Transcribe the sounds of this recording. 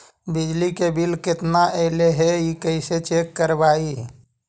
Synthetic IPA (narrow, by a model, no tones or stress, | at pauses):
bɪd͡ʒlikebʱilkɪt̪naʔəeɦleɦɛikəɪset͡ʃekːəɾbaːi